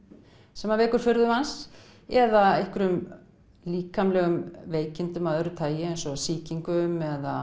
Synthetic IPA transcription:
sɛmːaveːhkʏɾ̥fʏɾðʏmans | ɛðaehkʏɾʏm | liːkamlɛɣʏmveːjcɪnt̪ʏmaðœɾʏt̪ʰaːjɪejnsɔsiːciŋkʏmɛða

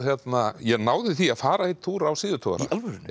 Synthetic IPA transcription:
çjɛt̪najɛɣnaːwðɪθiaðfaːɾaejt̪ʰːuːɾawsɪːðʏt̪ʰɔːa̰ɾ̰alvʏɾɪn

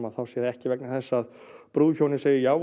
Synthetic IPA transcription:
aðθawsjɛðɪɛhcɪvɛk̚naθɛsːað | pɾuːðçownɪseːjɪjaːw

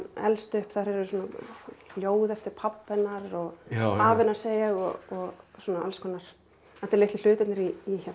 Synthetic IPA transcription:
ɛ̰lst̪ʏhpθaɾɛɾʏsuːnaljoːwðɛft̪ɪɾ̥pʰapːɛnaɾɔɣaːvɪnaɾ̥seːjaɣɔɔɣsuːnaa̰lskʰɔnaɾ̥ | ɛt̪ɪɾleht̪lɪ̥ʏːt̪ɪt̪nɪɾiiça

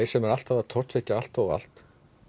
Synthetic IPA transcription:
jsɛmɛɾal̥t̪avat̪ʰɔr̥t̪vehcaal̥t̪ɔɣa̰l̥t̪

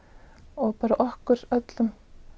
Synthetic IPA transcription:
ɔɣpaːɾaʔɔhkʏɾœt̪lʏm

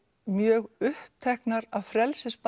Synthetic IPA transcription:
mjœːɣʏhp̚t̪ʰɛhknaɾaðfɾɛlsɪsp

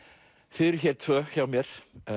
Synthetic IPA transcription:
θɪðɛɾʏçɛɾ̥t̪ʰv̥œːçaːwmjɛɾ̥

